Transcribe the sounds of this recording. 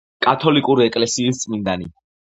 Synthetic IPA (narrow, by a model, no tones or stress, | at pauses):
kʼat̪ʰɔlikʼuɾiɛkʼlɛsiːst̪sʼmind̪ani